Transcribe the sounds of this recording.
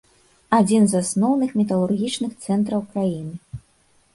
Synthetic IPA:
ad͡zʲinzasnɔwnɨxmʲɛt̪ɐlˠurɣʲit͡ʂnɨxt̪sɛnt̪ɾɐwkɾajinɨ

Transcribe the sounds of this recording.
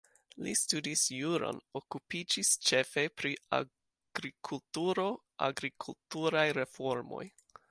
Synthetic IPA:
lḭstudisjuɾo̰no̞kupid͡ʒist͡ʃe̞fe̞pɾia̰ | ɡ̥ɾikʰultuɾo̞ | ʔa̰ɡɾikʰultuɾajɾe̞fo̞ɾmo̞̰j

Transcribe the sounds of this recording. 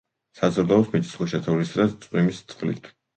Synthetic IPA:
sazɔɾd̪aɔsmit̪ʼisχuʃat̪ʰavlisɾast̪sʼwimist̪sʼqʼlḭt̪ʰ

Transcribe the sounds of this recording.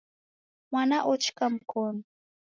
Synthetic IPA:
manaʔʊt͡ʃkamkʊn

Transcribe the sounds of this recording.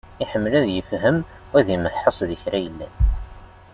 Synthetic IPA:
iħəmːlæðjəfɦəm | wæðiməħːəsˤðəçɾæjəlːæ̰n

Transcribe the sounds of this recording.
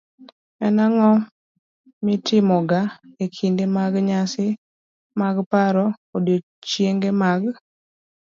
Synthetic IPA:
ɛnaŋɔ | mɪtɪmɔɡaekʰindemaɡɲasɪ | maɡpaɾɔkodo | t͡ʃjeŋɡemaɡ

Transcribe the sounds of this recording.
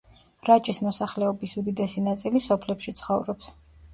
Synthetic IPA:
ɾat͡ʃʼismɔsaχlɛɔbisud̪id̪ɛsinat̪sʼilisɔpʰlɛpʃit̪sʰχɔvɾɔps

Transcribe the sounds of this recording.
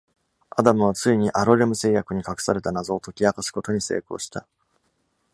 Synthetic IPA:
ad̪amɯ̟β̞at͡sɨiɲ̟iʔaɾo̞ɾe̞mɯ̟se̞ːjakɯ̟ɲ̟ikakɯ̟̥saɾe̞t̪anazo̞ːt̪o̞kʲiakasɨ̥ko̞t̪o̞ɲ̟ise̞̰ːko̞̰ːɕi̥t̪a

